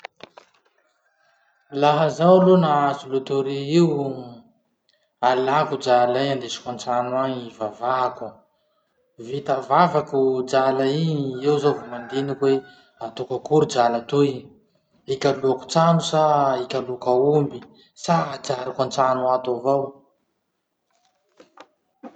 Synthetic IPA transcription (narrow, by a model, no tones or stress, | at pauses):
laɦəzawlunaazulut̪uɾiiw | alakud͡ʒalajand̪esi̥kant͡sanuaŋivavaku | vit̪avavakud͡ʒalainiewzovumand̪enikwe | at̪ukakuɾud͡ʒalat̪u | ikʲaluaku̥t͡sanusaikʲalukaumbi | sad͡ʒaɾikant͡sanuat̪avow